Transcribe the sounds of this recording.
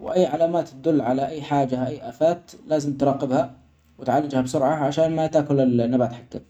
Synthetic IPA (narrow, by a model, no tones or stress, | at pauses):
wʔajːʕalaːmaːt̪ːad̪ʊlːʕalaʔajːħaːd͡ʒaʔajːʔaːfaːt̪laːzɪmt̪ɾˤɑːqɪbha | wɪt̪ʕalːɪd͡ʒhabsʊɾʕaʕaʃaːnmat̪aːkʊlɪlnːabaːt̪ħakːa